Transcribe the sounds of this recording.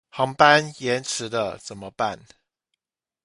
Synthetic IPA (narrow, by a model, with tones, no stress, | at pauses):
hɑ˧˥ŋpa˦njɛ˧˦nʈ͡ʂʰɻ̩˨˦d̪ə˧t͡sə˨˩nmə˦pa˥˨n